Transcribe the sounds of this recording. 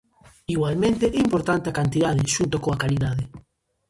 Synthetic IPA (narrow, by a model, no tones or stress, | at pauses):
iɣwalmẽnt̪eʔɛimpoɾt̪ant̪eakant̪iðaðeʃunt̪okoakaliðaðe